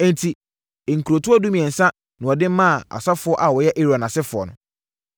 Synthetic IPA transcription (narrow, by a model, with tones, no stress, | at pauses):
n˨tʰi˨ | ŋ̩˨kʰu˨ɾo˨tʰʊ˦ɔ˦du˦mĩ˨ɛ˨n̩˨sã˦ | nʊ̃˨ɔ˨dɪ̃˦m˦mã˦˨a̰˨sa˦fʊ˨˦ɔ˦ʔa˨wɔ˨jɛ˦ʔe˦ɾa˨nã˨sɪ˦fʊ˨ɔ̰˨nʊ̰̃˨